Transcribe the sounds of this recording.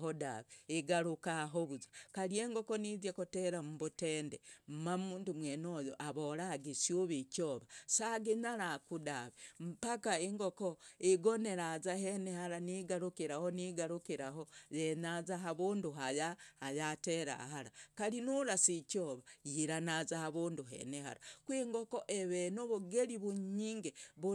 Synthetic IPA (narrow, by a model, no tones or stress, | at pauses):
ɦoda̰βeiɡaɾukaɦoβuzḁkalie̞ːŋɡokonizjekoteɾamuβuteːndem̩mamuːndumwenoːjoʔaβoɾaɡisjuβicoːβasaɡinaɾakudaβem̩pakaeŋɡokoiɡoneɾazahenehaɾaniɡaɾukiɾahoniɡaɾukiɾahojenazaɦaβuːnduɦajahajateɾa̰haɾakalinuɾasicoβajiɾanazahaβuːnduɦḛneha̰ɾakwiŋɡokoʔeβenoβuɡeliβuɲiːŋɡeβu